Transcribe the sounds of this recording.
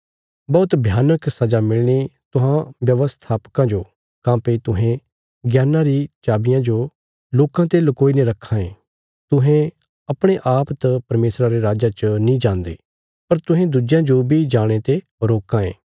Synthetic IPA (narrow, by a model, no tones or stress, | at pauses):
bɔːʊt̪bʱjaːnəksɐd͡ʒamɪɭñet̪ʊɦãʋjɐʋəst̪ʰaːpkãd͡ʒoː | kãːpet̪ʊɦẽ | ɡjaːnãɾit͡ʃaːbɪjãd͡ʒo | loːkãt̪eːlkoːinĩɾɐkʰːãːẽː | t̪ʊɦẽ | ɐpɽ̃eʔaːpt̪apɐɾmeːsɾaɾeɾaːd͡ʒat͡ʃənĩd͡ʒãːnd̪ḛː | pɐɾt̪ʊɦẽd̪ud͡ʒjãd͡ʒobʱid͡ʒaːɽ̃et̪e | ɾoːkãḛ̃ː